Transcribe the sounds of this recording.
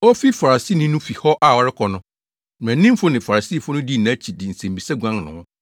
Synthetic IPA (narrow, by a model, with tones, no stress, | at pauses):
ɔ˦fi˦fa˨ɾa˨si˦˨nɪ̃˦nʊ̃˦fi˨hɔ˦ʔa˨wɔ˨ɾɪ˦kʰɔ˨nʊ̃˦ | n˨æ̃˨˦nĩ˦m˦fʊ˦nɪ̃˨fa˨ɾa˨si˦˨fʊ˦nʊ̃˦di˦˨nã˦t͡ɕʰi˨dɪ˨n̩˨sẽ˨mbi˨sɛ˦ɡʷã˦ŋnʊ̰̃˨˦